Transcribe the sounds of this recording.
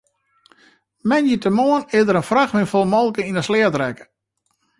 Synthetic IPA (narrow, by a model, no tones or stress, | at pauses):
mɛnjətəmoənɪdəɾənfraxmɪnfolˠmɔlˠkəinəslɛətrɛkə̥